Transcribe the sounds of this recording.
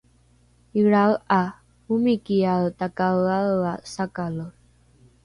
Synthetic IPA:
iɹawa | umikialtakaaasakalo

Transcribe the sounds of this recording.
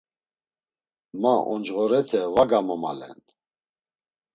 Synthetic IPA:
maʔɔ̰nd͡ʒʁɔɾɛt̪ʰɛvaɡamɔma̰lɛ̰n

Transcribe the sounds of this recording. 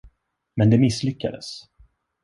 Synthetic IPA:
mɛnd̪ɛmɪsːlʏkːa̰d̪əs

